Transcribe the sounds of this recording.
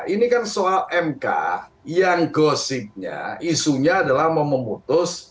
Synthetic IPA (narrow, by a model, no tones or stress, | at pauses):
ʔinikansoalɛmka̰jaŋɡosɪt̪̚ɲa̰isuɲaːdalahməməmut̪ʊs